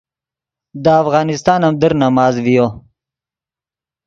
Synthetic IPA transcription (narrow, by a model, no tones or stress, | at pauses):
d̪əafɣɑːnɪst̪ɑːnamd̪əɾnɐmɑːzvijoː